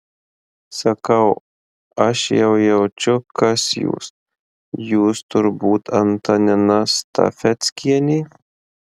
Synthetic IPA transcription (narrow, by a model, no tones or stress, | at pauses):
sɐkɐʊ | ɐʃjɛʊjɛʊt͡ʃʲʊkɐsjṵːs | juːst̪ʊɾbuːt̪ɐnt̪ɐnʲɪnɐst̪ɐ̰fʲɛt̪ʲsʲkʲiɛnʲiː